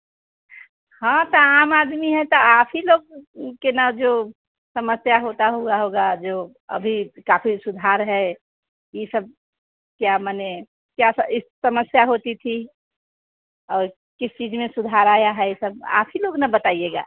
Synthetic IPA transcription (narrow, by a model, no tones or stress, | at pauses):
hãt̪ɔaːmaːd̪miɦɛt̪ɔaːpʰiloːɡ̚kenad͡ʒo | səməsjaɦot̪aɦoɡaɦoɡad͡ʒo | ə̰bʱikafʰisʊd̪ʱaɾɦɛ | jisəb̚ | kjamane | kjasəɪsəməsjaɦot̪it̪ʰi | ɔːɾ | kɪst͡ʃid͡ʒmẽsʊd̪ʱaɾaːjaɦɛesəba̰ːpʰiloɡnabət̪aːijeɡa̰ː